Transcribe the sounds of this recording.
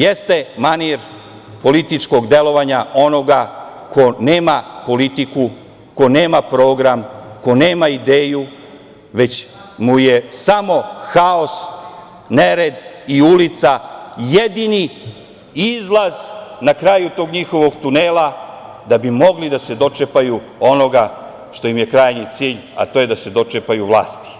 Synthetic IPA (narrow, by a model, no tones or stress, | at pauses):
jest̪e̞maniɾ | po̞lit̪it͡ʃko̞ɡd̪e̞lo̞ʋaɲao̞no̞ɡako̞ne̞ːmapo̞lit̪iku | ko̞ne̞ːmapɾo̞ːɡɾamko̞ne̞ːmaid̪eːju | ʋe̞t͡ɕ | muje̞samo̞xao̞s | neɾed̪iulit̪sajed̪ini | izlˠaz̥nakɾaːjut̪o̞ːɡɲixo̞ʋo̞ɡt̪uneːla | d̪abimo̞ɡlid̪ase̞d̪o̞t͡ʃepaju | o̞no̞ɡa | ʃt̪o̞jimje̞kɾaːjnit̪siːʎa̰t̪o̞je̞d̪ase̞d̪o̞t͡ʃepajuʋlˠa̰ːst̪i̥